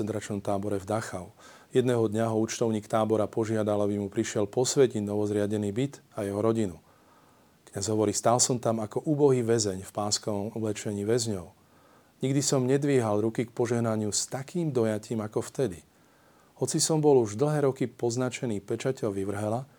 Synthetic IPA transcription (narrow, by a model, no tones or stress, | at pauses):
ɛnd̪ɾat͡ʃnɔmt̪aːbɔɾɛvd̪axaʊ | jɛd̪nɛːɦɔd̪ɲaɦɔuːt͡ʃt̪ɔʊɲiːkt̪aːbɔɾapɔʒɪad̪alabimupɾiʃɪɛlpɔsʋɛcinɔʋɔzɾɪaɟɛniːbit̪ajɛɦɔɾɔɟinu | kɲazɦɔʋɔɾiːst̪aːlsɔmt̪amakɔʔuːbɔɦiːʋɛzɛɲfpaːskɔʋɔmulɛt͡ʃɛɲiːʋɛzɲɔʊ | ɲiɡd̪isɔmɲɛd̪ʋiːɦalɾukik̚pɔʒɛɦnaɲɪust̪akiːmd̪ɔjaciːmakɔft̪ɛd̪i | hɔt͡sisɔmbɔluʒd̪l̩ˠɦɛːɾɔkipɔznat͡ʃɛniːpɛt͡ʃacɛʎʋiʋr̩ɦɛla